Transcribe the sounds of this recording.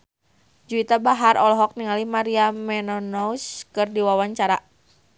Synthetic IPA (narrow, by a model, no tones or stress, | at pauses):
d͡ʒuit̪abaɦarʔɔlɔɦɔk̚niŋalimaɾiamɛnɔnɔuskɨrdiwawaɲt͡ʃaɾa